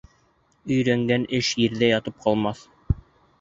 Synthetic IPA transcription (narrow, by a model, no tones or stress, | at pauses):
ɵ̆jɾæŋɡænɘʃjĭɾðæjɑt̪ɤp̚qɑlˠmɑθ